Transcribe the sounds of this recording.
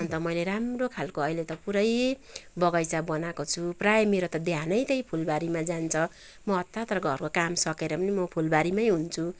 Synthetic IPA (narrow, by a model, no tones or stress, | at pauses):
ʌnt̪ʌmʌjleɾamrokʰalkoʌilet̪ʌpuɾʌjbʌɡʌjt͡sabʌnakot͡sʰuprajemeɾot̪ʌd̪janʌjt̪ʌjpʰulbaɾimad͡zant͡sʰʌ | mʌʌt̪ːat̪rʌɡʱʌ̰rkokamsʌkeɾʌpʌnimʌpʰulbaɾimʌjɦunt͡sʰu